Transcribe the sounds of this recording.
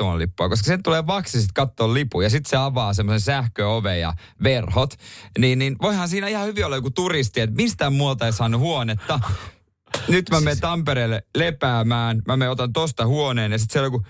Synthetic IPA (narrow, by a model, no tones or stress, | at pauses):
omɑ̰lḭpːoɑkoskɑsent̪uleːʋɑksist̪kɑt̪ːoːllipujɑsit̪seɑʋɑːsemːosensæhkøoʋejjɑ̰ | ʋerhot̪niːnninʋoihɑnsiːnæihɑhyʋiolːɑjokut̪urist̪iet̪mist̪æmmuot̪ɑeisɑːnːuhuonet̪ːɑ | nyt̪mæment̪ɑmpeɾeːlːelepæːmæːnmæmeot̪ɑnt̪ost̪ɑhuoneːnjɑsit̪sielːjoku